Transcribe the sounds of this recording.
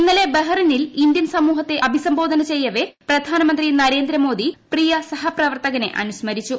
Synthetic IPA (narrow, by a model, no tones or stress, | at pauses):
inːɐlebeɦɐrinilind̪jɐnsɐmuːɦɐt̪ːe̞ʔɐbʱisɐmbo̞ːd̪ʱɐnɐt͡ɕe̞jːɐʋe̞prɐd̪ʱaːnɐmɐnd̪rinɐɾe̞ːnd̪ɾɐmo̞ːd̪iprijɐsɐɦɐprɐʋɐrt̪ɐɣɐne̞̰ʔɐ̰nusmɐɾit͡ɕːu